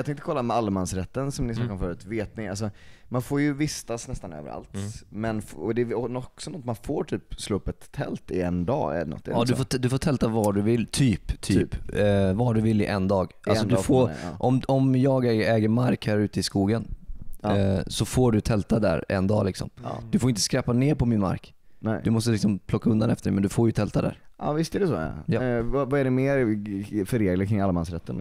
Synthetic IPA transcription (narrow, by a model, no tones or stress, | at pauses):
jɑɡt̪ɛŋkt̪əkʰɔlːamɛalːmansɾɛt̪ːənsɔmnɪsmakːɔmfœːɾʉːt̪veːt̪̚nɪŋals̬ɔmanfoːɾjɵvɪst̪asnɛst̪anø̰ːvə̰ɾa̰lt̪mɛnfɔd̪ɛɔnɔksɔnɔt̪ːmanfoːɾʈʰyːpsloːɵpːɛt̪ʰːɛ̰lt̪ɪɛnd̪ɑ̰ːɛ̰ɛ̰nɔ̰t̪ːd̪ɵfoːd̪ɵfoːt̪ʰɛlt̪avɑːɖɵvɪlːt̪ʰyːpt̪ʰyːpvaɖɵvɪlːɪʔɛnd̪ɑːɡʔalsɔd̪ɵfoɾʔɔmɔmjɑːɡɛːɡəɾmaɾkhæːɾʉ̟ːt̪əɪskuːɡən | sɔfoːɖɵt̪ʰɛlt̪ad̪æ̰ɾɛ̰nd̪ɑːlɪksɔ̰md̪̥ɵfoːɾɪnt̪ə̥skɾɛpːaneːɾpʰɔmɪnma̰ɾk | nɛɵmɔst̪əlɪksɔmpʰlɔkːaɵnd̪anɛft̪əɖɛmɛnd̪ɵfoːɾjɵt̪ʰɛlt̪ad̪æ̰ɾɑ̰vɪst̪ɛɖɛsɔ̰ːjɑːvvaɛɖɛmeːɾfœɾeːɡlakʰɾɪŋalːamansɾɛt̪ʰːən